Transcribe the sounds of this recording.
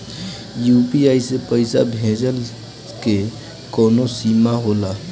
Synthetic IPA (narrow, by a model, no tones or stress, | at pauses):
juːpiaːisepəɪsabʱẽːd͡ʒəl | ke | kɔːnosiːmaɦoːlaː